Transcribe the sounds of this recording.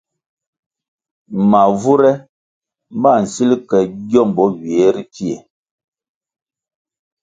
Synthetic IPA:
ma˨vu˦ɾɛ˦ | m̩˦ba˦˨n̩˨si˦lkɛ˨ɟjɔ˦˨m˨bɔ˨˦ɥi˨e˨˦ɾi˦ti˦e˨

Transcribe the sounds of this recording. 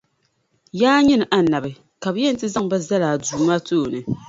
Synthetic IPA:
jaː˦ɲɪ˦nɨ˨ʔa˨na˨bɨ˨ | ka˨bɨ˦jɛ˦n˨tɨ˦za˦ŋ˨ba˦za˦laː˨duː˨maː˦toː˦˨nɨ˨

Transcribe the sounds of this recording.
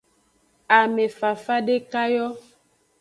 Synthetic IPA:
a˨me˨fa˨fa˦ɖe˦ka˦jɔ˦

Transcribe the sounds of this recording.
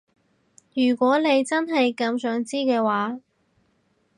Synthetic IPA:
jyː˨˩kʷɔː˨˥ne˨˧jt͡sɐ˥nɦɐ˨jkɐ˨˧msœː˨˥ŋt͡siː˥kɛː˧waː˨˥

